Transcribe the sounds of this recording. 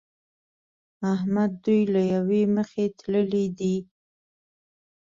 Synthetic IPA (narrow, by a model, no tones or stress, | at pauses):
ahmad̪̚ːujlajaweməxet̪ləlid̪i